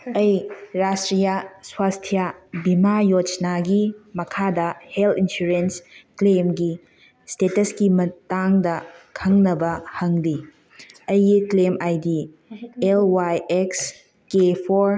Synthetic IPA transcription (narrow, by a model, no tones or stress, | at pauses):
ɐjɾastɾijaswastʰijabimajot͡ʃnaɡimɐkʰadɐheltinsuɾensklemɡi | stetɐskimɐtaŋdɐkʰɐŋnɐbɐhɐŋli | ɐjiklemajdi | elwajeks | kepʰoɾ